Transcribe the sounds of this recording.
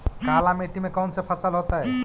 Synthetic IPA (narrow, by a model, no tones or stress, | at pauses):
kaːlameʈimẽkɔːnsepʰəsəlɦoːt̪aɦɛ